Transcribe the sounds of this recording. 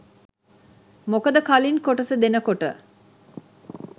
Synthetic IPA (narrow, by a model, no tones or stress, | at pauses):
mokəd̪əkalinkoʈəsəd̪enəkoʈə̰